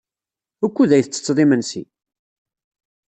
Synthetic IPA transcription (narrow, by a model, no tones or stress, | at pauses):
ækʷːuðæjθət͡sːə̥t͡sːðˤimənsḭ